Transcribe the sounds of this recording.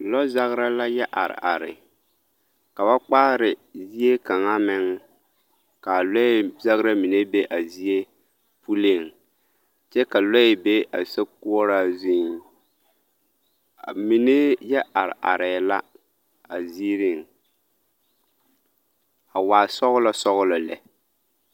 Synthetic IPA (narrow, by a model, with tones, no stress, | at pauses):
lɔ˦za˦ɣɾa˦la˦jɛ˦ʔa̰˨ɾɪ̰˨ʔa˨ɾɪ̰˨ | ka˨ba˦k͡paː˦ɾɪ˨zi˦e˦ka˨ŋa˦mɪ˦ŋ | ka˨lɔ˦za˦ɣɾa˦mi˨ne˦be˦ʔa˨zi˦e˦ | pʰu˦le˨ŋ | t͡ʃɛ˦ka˨lɔ˦ɪ˨be˦a̰˨sa˦k̚u˦ɔ˦ɾaː˦zi˦ŋ˨ | mi˨ne˦jɛ˦ʔa˨ɾɪ̰˨ʔa̰˨ɾɛ˨la˦ | a˨ziː˦ɾɪ˦˨ŋ | a˨waː˨sɔ˦ɣʊ˦la˨sɔ˦ɣʊ˦la˨lɛ̰˨